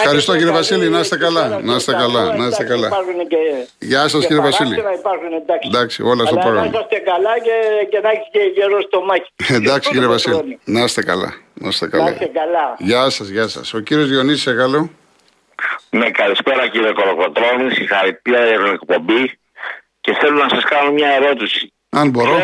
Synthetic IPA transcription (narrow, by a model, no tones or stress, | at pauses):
xɐɾist̪ociɾevɐsilinɐst̪ekɐlɐnɐset̪ekɐlɐnɐst̪ekɐlɐpɐɾxuneceʝɐsɐsiɾevɐsilḭɐipɐɾxuned̪ɐknd̪ɐksḭolɐst̪opɾoɣɐmm̰ɐst̪ekɐlɐceceðɐçi̥sceʝeɾost̪omɐçi̥end̪ɐksiciɾevɐsilinɐset̪ekɐ̰lɐ̰nɐst̪ekɐ̰lɐ̰ekɐlɐʝɐsɐzʝɐsɐ̰so̞ciɾio̞zioniseɣɐlo | nekɐlispeɾɐciɾiokoɾokot̪ɾo̞nisixɐɾit̪iɐeɾunekpo̞bi | ce̞θe̞lonɐsɐskɐnomɲɐe̞ɾo̞t̪isi̥ | ɐnbo̞ɾo̞